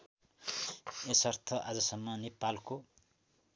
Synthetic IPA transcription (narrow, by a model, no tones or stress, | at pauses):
esʌrt̪ʰʌʔad͡zʌsʌmːʌnepalko